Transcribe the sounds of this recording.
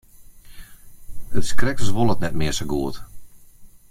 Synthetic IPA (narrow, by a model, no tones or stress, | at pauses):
hətskrɛkəsʋolˠətnɛtmɪəsəɡuət